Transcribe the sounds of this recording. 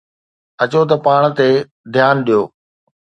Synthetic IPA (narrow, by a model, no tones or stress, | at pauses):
ɐt͡ɕot̪̬ɐpaːɽ̃t̪e | d̪ʱjaːnɗijoː